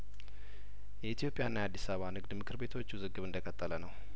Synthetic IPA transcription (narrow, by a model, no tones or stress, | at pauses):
jɛit̪jo̞pʼjanːajad̪ːisaββanɨɡd̪mɨkʰɨɾbe̞t̪ʰo̞t͡ʃːuzɨɡːɨβɨnd̪əkʰʼət̪ʼːələnəw